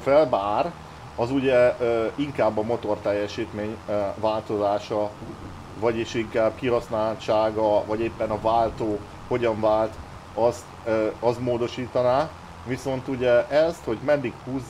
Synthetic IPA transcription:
fɛlbaːr | ɒzuɟɛiŋkaːbːɒmo̞t̪o̞rt̪ɛjːɛʃiːt̪meːɲvaːlt̪o̞zaːʃɒ | vɒɟiʃiŋkaːb̚kiɦɒsnaːlɒt͡ʃːaːɡɒvɒɟeːpːɛnɒvaːlt̪oː | ho̞ɟɒɱvaːlt̪ | ɒst̪ɒst̪moːd̪o̞ʃiːt̪ɒnaː | viso̞nt̪uɟɛɛst̪ho̞ɟmɛd̪ːikhuːzː

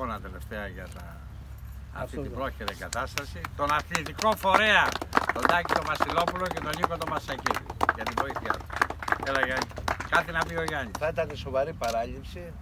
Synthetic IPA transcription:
onɐt̪e̞le̞ft̪e̞ɐʝɐt̪ɐ̰ː | t̪it̪ibɾo̞çiɾeɡɐt̪ɐst̪ɐsit̪o̞nɐθist̪iko̞fo̞ɾe̞ɐt̪o̞nd̪ɐcit̪o̞vɐsilo̞pulo̞ce̞t̪oniko̞t̪o̞mɐsɐcitʝɐt̪ivo̞iθiɐ̰t̪u̥eleɣɐkɐt̪inɐpio̞ʝɐɲiθɐit̪ɐneso̞vɐɾipɐɾɐʎipsi

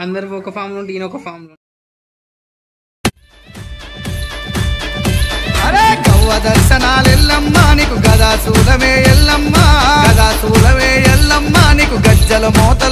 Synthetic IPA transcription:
ɐnd̪ɐɾuɔkɐpʰaːɾmluɳɖiinɔkɐpʰaːɾmlu | ɐɾeːɡɐwːɐd̪ɐɾʃɐnaːlelːɐmːaːnikuɡɐd̪aːsuːlɐmeːjɛlːɐmːaɐd̪aːt̪uːlɐmeːjɛlːɐmːaːnikuɡɐd͡ʒːɐlɐmɔːt̪ɐ

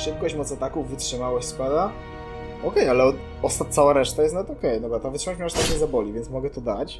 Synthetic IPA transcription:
ʂɘp̚kɔɕt͡ɕmɔt̪sat̪akuvːɘtʂɘmawɔɕʲspad̪a | ɔkɛjalɛɔ | ɔst̪at̪sawaɾɛʂt̪ajɛst̪nɔvɛt̪ɔkɛjd̪ɔbɾat̪ɔvɨtʂɨmat͡ɕmʲɛɔst̪at̪ɲɛzabɔlʲivʲjɛnsmɔɡɛt̪ɔd̪at͡ɕ

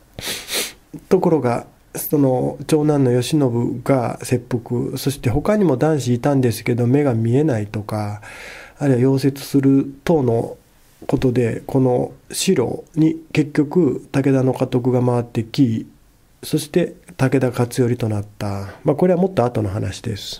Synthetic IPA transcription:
t̪o̞ko̞ɾo̞ɡa | so̞no̞t͡ɕo̞ːnãnːo̞jo̞ɕino̞bɯ̟ɡa̰se̞pːokɯ̟̰so̞ɕi̥t̪e̞ɦo̞kaɲ̟imo̞d̪ãɰ̃ɕiːt̪ãnd̪e̞sɨ̥ke̞d̪o̞me̞ɡamʲie̞nait̪o̞kaː | ɾʲɯβajo̞ːse̞t͡sɨ̥sɨɾɯ̟t̪o̞ːno̞ | ko̞t̪o̞d̪e̞ko̞no̞ɕiɾo̞̰ːɲ̟ike̞kʲːo̞kɯ̟t̪ake̞d̪ano̞kat̪o̞k̬ɯ̟ɡamaβat̪ːe̞kʲi | so̞ɕi̥t̪e̞t̪ake̞d̪akat͡sɨjo̞ɾʲit̪o̞nat̪ːamako̞ɾe̞βamo̞t̪ːoat̪o̞no̞ɦanaɕid̪e̞sɨ̥

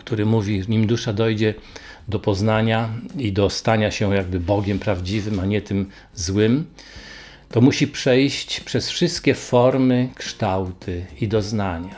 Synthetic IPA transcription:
kt̪uɾɘmuvʲiɲimd̪uʂad̪ɔjd͡ʑɛ | d̪ɔpɔznaɲaid̪ɔst̪aɲaɕɛjaɡbɘbɔɡʲɛmpɾavd͡ʑivɘmaɲɛt̪ɘm | zwɘm | t̪ɔmuɕipʂɛjɕt͡ɕpʂɛsfʂɘst̪kʲɛfɔɾmɘkʂt̪awt̪ʰɘid̪ɔznaɲa

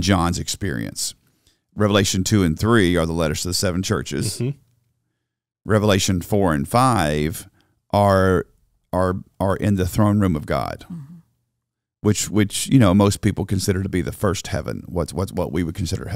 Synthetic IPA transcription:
d͡ʒɑ̃nzɨkspɪ̰ɹḭɨ̰̃ns | ɹɛvəleɪʃɨ̃ntʰʉɨ̃nθɹiə˞ðəlɛɾə˞z̥ʌvðəsɛvn̩t͡ʃʰɜ̰˞t͡ʃɪ̰z̥ | ɹɛvəleɪʃɨ̃nfɔɹɨ̃nfaɪv̥ | ʔə˞ | ə˞ə˞ʔɪ̃nðɨθɹõʊ̃nɹʉ̃mʌvɡɑ̰d̥ | wɨt͡ʃwɨt͡ʃjɨñoʊmoʊspipl̩ˠkɨ̃nsɪɾə˞ɾəbiðɨfɜ˞st̚hɛ̰vɨ̰̃nwʌtwʌtwʌ̰ʔwiwɨd̚kʰɨ̃n̩sɪɾə̰˞

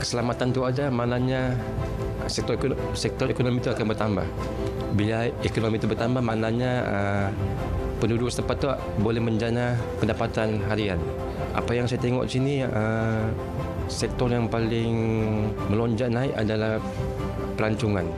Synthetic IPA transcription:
kə̥səlamat̪ant̪uadamanaɲa | sɛk̚t̪ɔ | sɛk̚t̪ɔɾekonomit̪uakanbərt̪amba̰h | bilaekonomit̪ubərt̪ambahmanaɲaə | pənudʊst̪əmpat̪ːua̰ʔbolɛhməɲd͡ʒanapəndapat̪anɦaɾian | ʔa̰pajaŋsajat̪eŋɔ̰ʔisiniə | sɛk̚t̪ɔrjaŋpalɪŋməlɔɲd͡ʒaʔnaɪʔa̰dalah | pəɾaɲt͡ʃuŋan

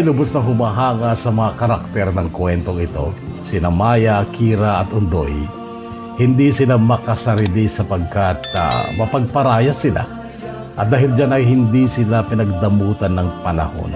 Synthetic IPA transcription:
lʊbʊsnɐŋɦʊmaɦaːŋasɐmɐŋakɐɾak̚t̪ɛɾnɐŋkwɛnt̪oŋɪt̪o̞̰sɪnɐmaːjakʰiːɾaʔɐt̪ʊnd̪oj | hɪnd̪isɪlamɐkɐsɐɾɪlɪsɐpɐɡ̚kat̪̚a̰mɐpɐɡ̚pɐɾaːjasɪla̰ | ʔɐt̪̚d̪aːɦɪld͡ʒanɐjɦɪnd̪isɪlapɪnɐɡ̚d̪ɐmuːt̪anːɐŋpɐnɐ̰ho̞̰n

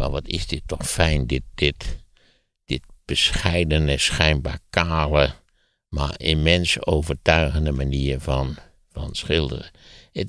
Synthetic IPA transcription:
ma̰ʋɑtʰɪ̰zdɪtːɔxfɛjndɪt̚d̥ɪt | d̥ɪt̚b̥əsxɛjdənəsxɛjnba̰ːɹkʰaːlə | ma̰ɹɪmɛnsoːvəɹtœɥɣəndəmaniːɹfɔn | fɑ̰nsxɪlˠdə̰rəə

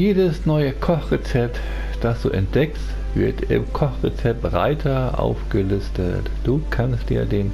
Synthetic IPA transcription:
jeːdəsnɔʏəkʰɔχʁet͡sɛp̚t | d̥asd̥ṵːʔɛnt̚d̥ɛkst | v̥ɪɐtɪ̰mkʰɔχʁɛt͡sɛp̚tʁa̰ɪtʰɐʔa̰ʊfɡ̥əlʏstʰə̰td̥uːkʰanstd̥ḭːɐdeːm

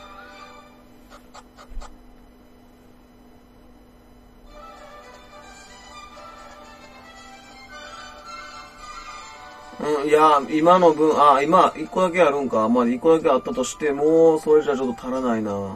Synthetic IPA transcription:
ɯ̟̃jaimano̞bɯ̟̃ɰaimaʔikːo̞d̪ake̞aɾɯ̟̃ŋkamaikːo̞d̪ake̞at̪ːat̪o̞ɕi̥t̪e̞moso̞ɾe̞ʑat͡ɕo̞t̪ːot̪aɾanaina

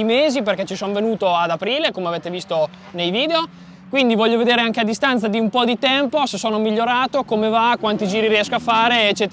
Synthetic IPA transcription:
meːziperkɛt͡ʃisonvenuːt̪oad̪apɾiːlekomeaveːt̪evist̪o | nejviːd̪eo | kwind̪ivɔʎːoved̪eːɾeaŋk̟ead̪ːist̪ant̪sad̪iumpɔd̪it̪ɛmposesoːnomiʎːoɾaːt̪okomevakwant̪id͡ʒiːɾiɾiɛskoafːaːɾeːt͡ʃːɛːt̪

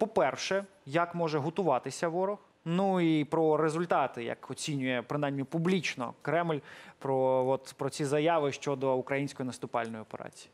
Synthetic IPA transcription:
pɔpɛrʃɛjɐkmɔʒɛɦɔt̪ʊʋɑt̪ɪsʲɐʋɔɾɔx | nuipɾɔɾezʊlʲt̪ɑt̪ɪja̰kɔt͡sʲinʲʊjɛpɾɪnɑjmnʲipublʲit͡ʃnɔ̰kɾɛmlʲpɾɔɔt̪pɾɔt͡sʲizɐjɑʋɪʃt͡ʃɔd̪ɔukɾɐjinʲsʲkɔjnɐst̪ʊpɑlʲnɔjiɔpeɾɑ̰t͡sʲi̥ji

